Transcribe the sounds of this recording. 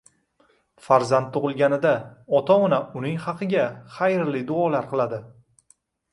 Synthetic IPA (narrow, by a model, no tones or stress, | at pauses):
faɾzant̪ːʊʁɨlˠɡʲanɪd̪aɒt̪ʰɒɒnaʊnɪŋχɑqʰɨɡʲaχajɾlɪd̪ʊɒlaɾqʰɨlˠad̪ɪ